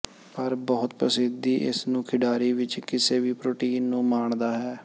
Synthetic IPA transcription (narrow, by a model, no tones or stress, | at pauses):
pəɾbɔːʊt̪pəsɪd̪iːʔɪ̰snũːkʰɪɖaːɾiːʋɪt͡ʃkɪseːʋiːpɾoːʈiːnːũːmaːɳd̪aːɦɛː